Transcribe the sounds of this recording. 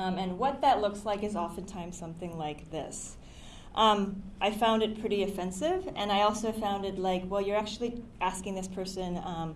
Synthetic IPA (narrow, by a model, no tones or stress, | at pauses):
mɨ̃nwʌt̪̚ðɨtˡlʊkslaɪkɨzɑfɨ̃n̩tʰãɪ̃msʌ̃mθɪ̃ŋlaɪk̚ðɪ̰s | ʔʌ̃mʔaɪfãʊ̃ndɨt̚pʰɹ̥ɪɾiɨfɛ̃nsɪvɨ̃naɪɔlˠsoʊfãʊ̃ndɨtˡlaɪkwɛlˠjə˞æk̚t͡ʃʉl̩ˠiʔæskɪ̃ŋðɪspʰɜ˞sɨ̃nʌ̃m